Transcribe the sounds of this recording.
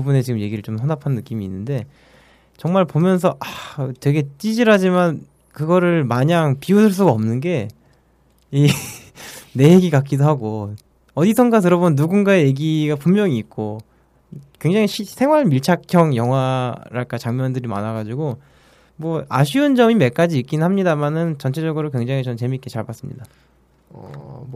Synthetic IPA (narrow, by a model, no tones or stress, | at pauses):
ubune̞t͡ɕiɡɯmje̞ɡiɾɯɭt͡ɕomsʰʌnapʰanːɯk͈imiːnːɯnde̞ | t͡ɕʌŋmaɭpomjʌns̬ʰʌʔatwe̞ɡe̞t͡ɕ͈id͡ʑiɾɦad͡ʑiman | kɯɡʌɾɯɭmaɲaŋpiusʰɯɭs͈uɡaʌmnɯnɡe̞ | i | ne̞jeɡiɡak͈idoɦaɡo | ʌdisʰʌŋɡat̬ɯɾʌbonːuɡunɡaeje̞ɡiɡapumːjʌŋiːt̚k͈o | kwe̞ŋd͡ʑaŋiɕʰisʰe̞ŋwaɭmiɭt͡ɕʰakʰjʌŋjʌŋɦwaɾaɭk͈at͡ɕaŋmjʌndɯɾima̰naɡad͡ʑiɡo | mwʌa̰ɕʰiɯnd͡ʑʌmime̞k͈ad͡ʑiːk͈inɯnɦamɲidamanɯnt͡ɕʌnt͡ɕʰed͡ʑʌɡɯɾokwe̞ŋd͡ʑaŋit͡ɕʌnt͡ɕe̞mik͈e̞t͡ɕaɭbas͈ɯmɲḭda | ʌ̰